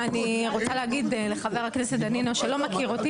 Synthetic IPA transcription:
aniʁot͡saleaɡid̪le̞χave̞ʁakneset̪̚d̪aninoʃelo̞makiʁoti

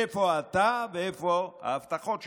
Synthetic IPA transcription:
efoat̪aveefoa̰ːft̪aχotʃ

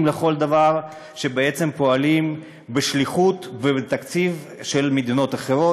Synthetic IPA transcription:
mleχo̞ld̪avaʁ | ʃebeet͡se̞mpo̞alim | beʃliχut̪vebet̪akt͡siv | ʃelmed̪ino̞t̪aχeʁo

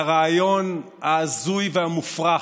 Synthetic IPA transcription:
aʁaːjo̞n | haːzujvehamufʁa

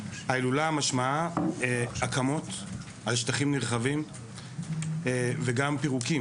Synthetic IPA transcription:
hailulaamaʃmaaeakamo̞t̪ | alʃt̪aχimniʁχavim | veɡampiʁuki

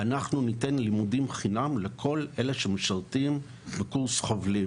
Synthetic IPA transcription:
anaχnunite̞nlimudimχinamlekʰo̞lʔe̞le̞ʃemeʃaltim | bekuʁsχo̞vli

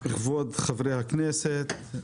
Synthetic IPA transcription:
iχvod̪χavɾejhakneset̪

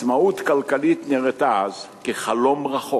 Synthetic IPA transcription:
maut̪kalkalit̪neʁet̪az | keχalomʁaχo

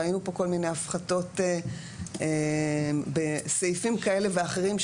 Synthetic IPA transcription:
ajinupo̞ko̞lmine̞jafχato̞te | e | besejfimkae̞le̞veaχe̞ʁimʃ

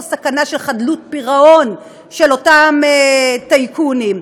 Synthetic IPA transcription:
sakanaʃelχadlut̚piʁaon | ʃelo̞tametajkunim

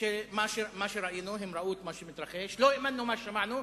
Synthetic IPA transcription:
imaʃimaʃiɾˤɑʔjiːnuɦɪmɾˤɑʔuːt̪maʃimɪt̪ɾˤɑxiːʃloɪʔmanːumaʃamaʕnu

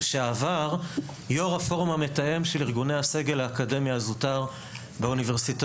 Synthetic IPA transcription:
ʃeavaʁ | joʁafo̞ʁumame̞taje̞mʃeliʁɡunejhase̞ɡe̞laːkade̞mjaːzutaʁ | beuniveʁsit

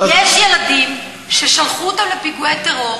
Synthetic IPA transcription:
jeʃjelad̪im | ʃeʃalχut̪amlepiɡuet̪eʁo

